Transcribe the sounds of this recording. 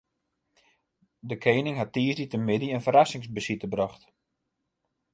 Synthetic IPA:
dəkʰeːnɪŋɦatːiːsditəmɪdiənfəɾasɪŋsbəsitəbrɔxt

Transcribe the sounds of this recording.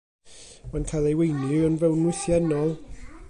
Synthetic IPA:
mankʰajlˠejwejnlɨənvɛwnwɪθjɛnɔlˠ

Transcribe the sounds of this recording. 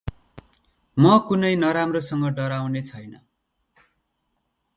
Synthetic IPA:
mʌkunʌjnʌɾamrosʌŋɡʌɖʌɾawnet͡sʰʌjnʌ

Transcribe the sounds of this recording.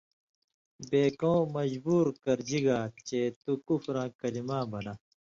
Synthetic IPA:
beːkõːmɐd͡ʑbuːɾkɐɾd͡ʑiɡaːt͡ɕeːt̪ukufɾãːkɐlimãːbɐnaː

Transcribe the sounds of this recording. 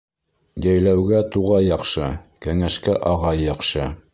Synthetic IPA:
jæjlæwɡæt̪uʁɑjɑqʃɤkæŋæʃkæʔɑʁɑjːɑqʃɤ

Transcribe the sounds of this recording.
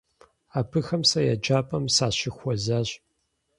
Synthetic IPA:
aːpʰɨxɐmsɐjad͡ʒʼaːpʼɐmsaːɕɪxʷɔzaːɕ

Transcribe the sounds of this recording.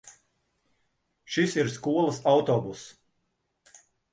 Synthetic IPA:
ʃisiɾskuɔlˠəsawt̪ɔːbus

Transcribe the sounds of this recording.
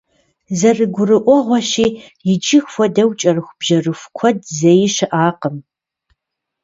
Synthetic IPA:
zɐrɨɡʷʊrɨʔʷɔʁʷɔɕiː | jɪd͡ʒʼɪxfʷɔdɐwt͡ʃʼɐrɨxʷb̥ʒɐrɨxʷkʷʰɔdzɐjɪʃɨʔaːqəm

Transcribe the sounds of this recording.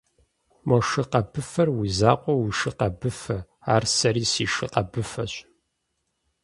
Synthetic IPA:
mɔʂɨqɐbɨfɐrwizaːqʷʼɔwiʃɨqɐbɨfɐ | aːrsɐɾiːsiːʂɨqɐbɨfɐɕʼ

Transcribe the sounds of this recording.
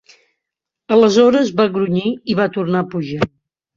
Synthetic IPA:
ələzɔɾəzβaɣɾuɲiiβat̪urnapuʒa

